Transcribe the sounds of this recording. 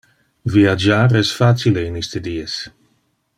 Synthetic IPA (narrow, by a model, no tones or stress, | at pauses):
viad͡ʒaːɾɛsfat͡sileinist̪edies